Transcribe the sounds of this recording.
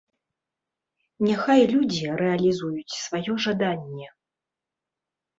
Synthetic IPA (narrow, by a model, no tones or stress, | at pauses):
nʲaxajlʲud͡zʲiɾɛɐlʲizujut͡sʲsvajɔʐad̪anʲːɛ